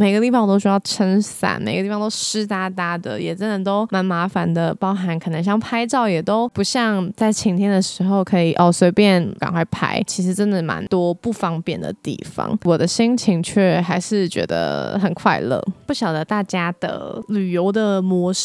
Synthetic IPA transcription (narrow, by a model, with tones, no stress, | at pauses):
me˨˩ɪɡə˦t̪i˥˩fɑ̃˨˩ŋt̪o˥ʊt͡ɕy˧˥jɑ˥˩ʊʈ͡ʂʰə˥nsa̰˨˩nme˨˩ɪɡə˦i˥˩fɑ˨˧t̪o˥ʊʂɻ̩˥t̪a˥˩t̪a˥d̪ə̰˨jɛ˨˩t͡sə˦nd̪ə˨t̪o˥ʊma˧˥nma˧˥fa˧˨nd̪ə˨pɑ˥ʊxa˧˥nkʰɤ˨˩nə˧˥ŋɕ̬jɑ˥˩ŋpʰa˥ɪt͡sɑ˥˩ʊjɛ˨˩t̪o˥ʊpu˧˥ɕjɑ˥˧ŋt͡sa˥˩ɪt͡ɕʰi˧˥ŋt̪ʰjɛ˥nd̪ə˨ʂɻ̩˧˥xo˥˧˩ʊkʰɤ˧˥i˨˩ʔɔ˥˩swe˧˥ɪpjɛ˥˩nka̰˨˩ŋkwa˥˩ɪpʰa̰˥ɪt͡ɕʰi˧˥ʂɻ̩˧˥ʈ͡ʂə˦nd̪ə˨ma̰˧˥nt̪wɔ˥pu˥˩fɑ˥ŋpjɛ˥˩nd̪ə̰˩t̪ḭ˥˩fɑ̰˨˩ŋwɔ˨˩d̪ə˦ɕi˥ŋt͡ɕʰi˧˥ŋt͡ɕʰɥɛ˥˩xa˧˥ɪʂɻ̩˥˩t͡ɕɥɛ̰˧˥d̪ə̰˧xə˨˩nkʰwa̰˥˧ɪlə̰˥˩pu˥˩ɕjɑ˨˩ʊd̪ə˦t̪a˥˩t͡ɕja˥d̪̥ə̰˧˨ly˨˩jo˧˥ʊd̪ə˨mwɔ˧˥˦ʂ